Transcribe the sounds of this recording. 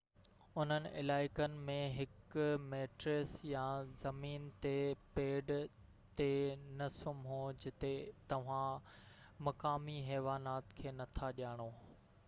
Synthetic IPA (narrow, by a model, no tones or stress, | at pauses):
ʊn̤ənɪ̆ʔɪ̰laːɪkənɪ̆mẽɦɪkmeːʈɾesjãzɐmiːnt̪epeːɖ | t̪enɐsʊmɦod͡ʑɪt̪et̪ɐʋ̤ã | mɐkaːmiɦɛːʋaːnaːt̪kʰeːnɐt̪ʰaɗijaːɽ̃oː